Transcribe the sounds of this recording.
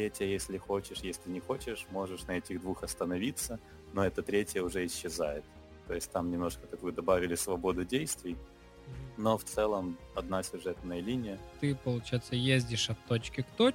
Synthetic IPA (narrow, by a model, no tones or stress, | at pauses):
t̪ɾʲetʲjəjesʲlʲɪxot͡ɕɪʂjesʲlʲɪnʲɪxo̞t͡ɕɪʂmo̞ʐɨʂnɐɛtʲɪɣd̪vuxɐst̪ənɐvʲit̪sːə | no̞ɛt̪ət̪ɾʲetʲjəʊʐɛɪɕːɪzajɪt̪̚ | t̪ːo̞jɪsʲtʲt̪amnʲɪmno̞ʂkət̪ɐkujʊd̪ɐbavʲɪlʲɪsvɐbo̞d̪ʊdʲejst̪vʲɪj | no̞ft̪sɛlˠəmɐd̪nasʲʊʐɛt̪nəjəlʲinʲɪjət̪ɨpəlˠʊt͡ɕajɪt̪səjezʲdʲɪʂɐt̪ːot͡ɕkʲɪkt̪o